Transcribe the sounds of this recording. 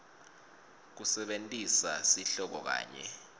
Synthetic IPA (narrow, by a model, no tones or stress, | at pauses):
k̬usɛɓentʼisasiɬɔk̬ɔk̬a̰ːɲɛ̰